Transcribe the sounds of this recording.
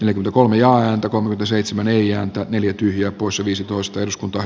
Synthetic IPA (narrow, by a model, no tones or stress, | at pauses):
neljækyment̪ækolmejɑːæːnt̪ækolmekyment̪æseit̪semæneijæːnt̪æneljæt̪yhjæːpoˑisjɑʋiːsit̪oist̪ɑeduskunt̪ɑ